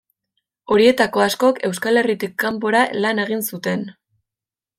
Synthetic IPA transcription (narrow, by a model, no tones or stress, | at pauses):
o̞ɾie̞t̪ako̞asko̞ke̞wskale̞rit̪ikːamp̬o̞ɾalane̞ɣ̞insut̪e̞n